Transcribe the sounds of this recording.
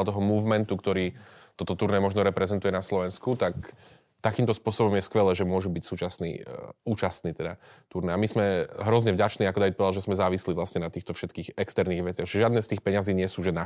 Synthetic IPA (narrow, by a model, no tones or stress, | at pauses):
alt̪ɔɦɔmuːvmɛnt̪ukt̪ɔɾiːt̪ɔt̪ɔt̪uɾnɛmɔʒnɔɾɛpɾɛzɛnt̪ujɛnaslɔʋɛnskut̪ak | t̪akiːmt̪ɔspʊɔsɔbɔmjɛskʋɛlɛːʒɛmʊɔʒubicsuːt͡ʃasnḭːuːt͡ʃast̪niːt̪ɛd̪at̪uɾnɛamizmɛɦɾɔzɲɛvɟat͡ʃniːakɔd̪aʋit̪̚pɔʋɛd̪alʒɛzmɛzaːʋisliʋlasɲɛnat̪iːxt̪ɔfʃɛt̪kiːɣɛkst̪ɛɾniːɣʋɛt͡sɪaɣʒɛʒɪad̪nɛːst̪iːxpɛɲaziːɲɪɛsuːʒɛna